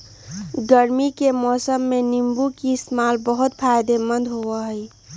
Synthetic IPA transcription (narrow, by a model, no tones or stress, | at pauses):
ɡəɾmikemɔːsəmːenimbukismalbəɦut̪pʰajd̪emə̃nd̪ɦoəɦəj